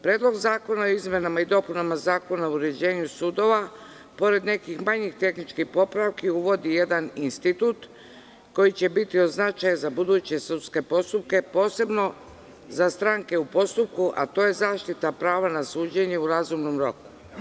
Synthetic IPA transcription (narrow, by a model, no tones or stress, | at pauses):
pɾeːd̪lˠo̞ɡzaːko̞naoizme̞namaid̪o̞punamazaːko̞naouuɾe̞d͡ʑe̞ːɲusuːd̪o̞ʋa | po̞ɾe̞d̪ne̞kixmaɲixt̪e̞xnit͡ʃkixpo̞pɾaʋkiuʋo̞d̪ije̞d̪aninst̪it̪uːt̪ | ko̞jit͡ɕe̞bit̪io̞znat͡ʃajezabud̪uːt͡ɕe̞sut̪ske̞po̞st̪up̚ke̞po̞ːse̞bno̞ | zast̪ɾaŋke̞upo̞st̪up̚kuʔa̰t̪o̞ːjezaːʃt̪it̪apɾaːʋanasuːd͡ʑe̞ɲeuɾazumno̞mɾo̞̰ku̥